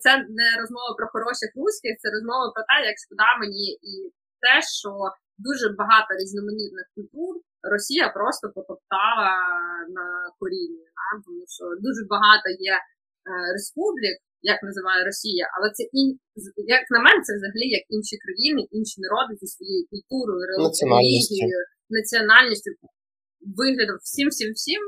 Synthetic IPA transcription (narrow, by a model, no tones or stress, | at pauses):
t̪sɛnɛɾɔzmɔʋɐpɾɔxɔɾɔʃʲɪxrusʲkʲɪxt̪sɛɾɔzmɔʋɐpɾɔt̪ɛjɐkʃkɔd̪ɑmenʲii | t̪ɛʃt͡ʃɔ | d̪uʒɛbɐɦɑt̪ɔɾʲiznɔmenʲit̪̚nɪxkʊlʲt̪ur | rɔsʲijɐpɾɔst̪ɔpɔkɔpt̪ɑlˠɐnɐkɔɾʲinʲid̪ɑt̪ɔmuʃt͡ʃɔd̪uʒɛbɐɦɑt̪ɔjɛ | respublʲik | jɐknɐzɪʋɑjɛɾɔsʲijɐʔɐ̰lˠɛt̪sɛʔin | jɐknɐmɛnɛt̪sɛʋzɐɦɐlʲijɐkinʃikɾɐjinɪʔinʃinɐɾɔd̪ɪt͡ʃʲɪsʋɔjɛjikʊlʲt̪uɾɔjʊɾenˠlʲiɦʲijjʊ | nɐt͡sʲiɔnɑlʲnʲisʲt͡ʃʲʊ | ʋɪɦlʲɐd̪ɔmwsʲimsʲimwsʲim